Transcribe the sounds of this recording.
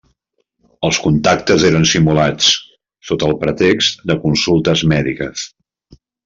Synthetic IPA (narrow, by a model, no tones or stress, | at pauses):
əlˠskunt̪ak̚t̪əzeɾənsimulat͡s | sot̪əlˠpɾət̪ekst̪d̪əkunsulˠt̪əzmɛðikəs